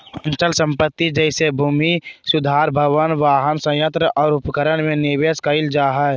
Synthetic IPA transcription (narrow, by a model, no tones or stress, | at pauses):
ə̃ɲt͡ʃəlsə̃mpət̪ːid͡ʒɛɪsebʱuːmisʊd̪ʱaːɾbʱəʋənʋaːɦənsə̃jə̃nt̪ɾəʔɔːɾʊpkəɾəɽ̃mẽnɪʋeskəɪld͡ʒaːɦə